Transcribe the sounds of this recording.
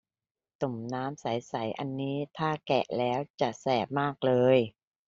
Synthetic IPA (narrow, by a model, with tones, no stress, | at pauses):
t̪u˨˩mnaː˦˥msa˩˦jsa˩˦jʔa˧nːiː˦˥t̪ʰaː˥˩kɛ˨˩lɛː˦˥wt͡ɕa˨˩ʔsɛː˨˩p̚maː˥˩k̚lɤː˧j